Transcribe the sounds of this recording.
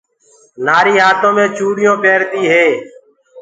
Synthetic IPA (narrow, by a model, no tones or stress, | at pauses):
naːɾiːɦaːt̪õːmẽːt͡ʃuːɽɪjõːpeːɾt̪iːɦeː